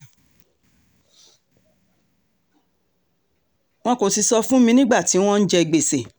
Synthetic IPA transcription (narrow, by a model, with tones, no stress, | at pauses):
w̃ɔ̃˦ko˨si˧sɔ˧fũ˦mĩ˧nĩ˦ɡ͡ba˦˨ti˨˦w̃ɔ̃˦n̩˦d͡ʒɛ˧i˧ɡ͡be˨se˨